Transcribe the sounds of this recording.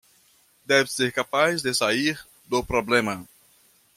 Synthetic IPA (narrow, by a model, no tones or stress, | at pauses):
d̪ɛvɪseɾkapazd̪ɪsaiɾ | d̪ʊpɾoblẽmɐ